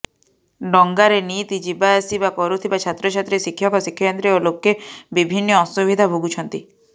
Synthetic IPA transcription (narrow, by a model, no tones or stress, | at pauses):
ɖɔŋɡaɾenit̪id͡ʒibaːsibakɔɾut̪ʰibat͡ʃʰat̪ɾɔt͡ʃʰat̪ɾesikʰːjɔkɔsikʰːjɔjɔnt̪ɾeolokːebibʱinːɔːsubʱid̪ʱabʱoɡut͡ʃʰɔnt̪i